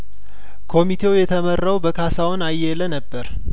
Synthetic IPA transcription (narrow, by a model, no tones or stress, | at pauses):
kʰo̞mit̪ʰe̞wjɛt̪ʰəmərːawbəkʰasawnajːɛlənəbːəɾ